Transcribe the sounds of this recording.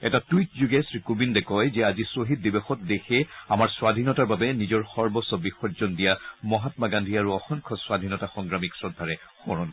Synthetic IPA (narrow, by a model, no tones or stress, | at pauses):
ɛtatujt̚zuɡɛsɹikubindɛkɔjzɛazisoɦit̚dibexɔt̚dexʰɛamaɹswad̪ʱinɔtaɹbabɛnizɔɹxɔɹbɔsɔbixɔɹzɔndijamɔɦatmaɡandʱiaɹuɔxɔŋkʰɔswad̪ʱinɔtaxɔŋɡɹamiksɹɔdʱːaɹɛ | xɔɹɔn